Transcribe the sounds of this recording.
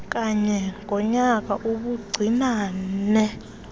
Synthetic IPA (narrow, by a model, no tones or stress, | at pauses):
k̬ʼaɲɛŋʱɔɲak̬aʔuɓuɡ͡ǀʱinaːnɛ